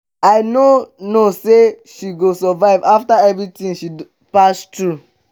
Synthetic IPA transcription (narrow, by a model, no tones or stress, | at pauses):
aɪnonoseʃiɡosɔvaɪvaftaɛvɹitĩŋʃi | pastɹu